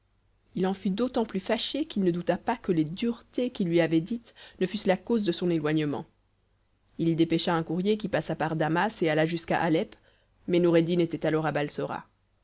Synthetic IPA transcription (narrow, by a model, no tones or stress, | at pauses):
ilɑ̃fyd̪ot̪ɑ̃plyfaʃekilnəd̪ut̪apakəled̪yʁt̪ekilɥiavɛd̪it̪nəfyslakozd̪əsɔ̃nelwaɲəmɑ̰̃ | ild̪epeʃaɛ̃kuʁjek̬ʲipasapaʁd̪amasealaʒyska̰ʔalɛp | mɛnuʁed̪inet̪ɛt̪alɔʁabalsɔʁa̰